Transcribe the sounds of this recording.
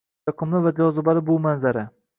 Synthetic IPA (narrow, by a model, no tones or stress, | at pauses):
ɑqʰɨmlɪvad͡ʒɒzɪbalɪbʊmanzaɾa